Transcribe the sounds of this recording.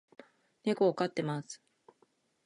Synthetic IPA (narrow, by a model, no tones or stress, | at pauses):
ne̞ko̞ːkat̪ːe̞masɨ̥